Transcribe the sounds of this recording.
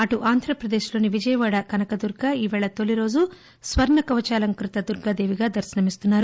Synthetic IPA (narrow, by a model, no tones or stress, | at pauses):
ɐʈuʔaːnd̪ʱɾɐpɾɐd̪eːʃlo̞ːniʋid͡ʒɐjɐʋaːɽɐkɐnɐkɐd̪uɾɡaːiːʋɛːɭɐt̪oliɾo̞ːd͡ʒu | sʋɐɾɳɐkɐʋɐt͡ʃaːlɐŋkɾit̪ɐd̪uɾɡaːd̪eːʋiɡaːd̪ɐɾʃɐnɐmist̪unːaːɾu